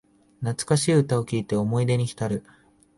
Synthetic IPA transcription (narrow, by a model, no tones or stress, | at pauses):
nat͡sɨ̥kaɕiːɯ̟t̪ao̞kʲiːt̪e̞o̞mo̞id̪e̞ɲ̟içi̥t̪aɾɯ̟